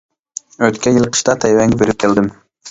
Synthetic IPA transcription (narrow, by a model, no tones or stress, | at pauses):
øt̪kʲɛjilˠqʰə̥ʃt̪ɑt̪ʰɛjwɛŋɡʲɛbeɾɪp̚kʲʰeld̪ɪm